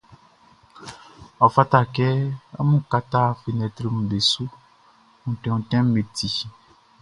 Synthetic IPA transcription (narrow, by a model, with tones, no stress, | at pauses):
ɔ˨fa˦ta˦˨kɛ˦ɔ̰˦mũ˦ka˦t̪a˦fi˨nɛ˨t̪ɾi˦ŋũ˨ɖe˨su˦ | ŋũ˨tɛ̃˨ŋũ˨tɛ̃˦m˦me˨t̪ʰi˨